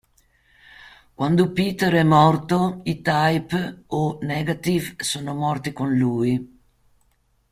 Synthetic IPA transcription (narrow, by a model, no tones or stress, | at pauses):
kwand̪upiːt̪eɾɛmɔrt̪oit̪ajponɛɡat̪ivsoːnomɔrt̪ikonluːi